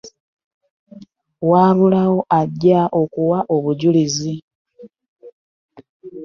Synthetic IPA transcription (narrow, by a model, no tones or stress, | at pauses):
waːβulawo̞ʔaɟːaʔo̞kuwaʔo̞βuɟulizi